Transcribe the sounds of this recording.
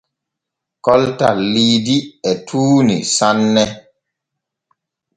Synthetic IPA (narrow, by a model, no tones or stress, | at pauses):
kɔltalidiɛtʰuːnḭsanːɛ